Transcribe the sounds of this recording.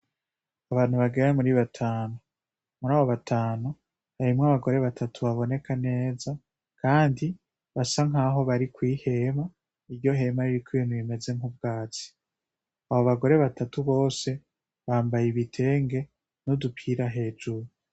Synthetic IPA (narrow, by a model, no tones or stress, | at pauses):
aβaːn̥huβaɡeɾamuɾiβatʰaːnu | muɾaːβo̞βatʰaːnu | haɾimŋaβaɡo̞ɾe̞βatʰatʰuβaβo̞ne̞kʰane̞ːza | kʰaːndi | βasaŋaːɦo̞βaɾikwiːhe̞ma | iɾɟo̞ɦe̞maɾiɾikʰuinuβime̞ze̞ŋhub̚ɡaːt͡si̥ | aβoβaɡo̞ɾe̞βatatuβo̞ːse̞ | βaːmbajiβitʰe̞ːŋɡe̞ | nudupʰiːɾaɦe̞ːd͡ʒuɾu